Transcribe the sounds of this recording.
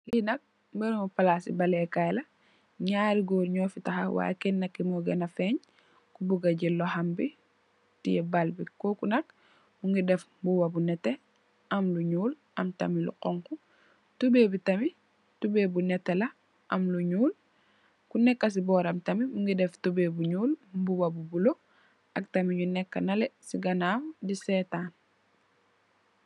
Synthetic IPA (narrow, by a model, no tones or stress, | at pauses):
kinɐk̚ | mɛnumupɐlasḭbɐlɛkajlɐ | ɲaːɾiɡoːɾɲɔːfitɐxɐwa̰ːjkɛnːɐkːimɔɡɐnɐfɛɲ | kubuɡɐɟɛlːɔhɐmbi | tḭjɛbalbikɔkunɐk̚ | muŋɡidɛf | buwɐbunɛtːɛ | ɐmluɲuːl | ʔɐmtɐ̰milṵqɔŋku | tubebitɐmi | tubeːbunɛtːɛlɐ | ɐmluɲuːl | kunɛkːɐs̬ibɔːɾɐmtɐmibuŋɡidɛftubebuɲuːlmbuwɐbubulo | ɐk̚tɐmiɲunɛkːɐnɐlɛsiɡɐnaːmdisɛtaːn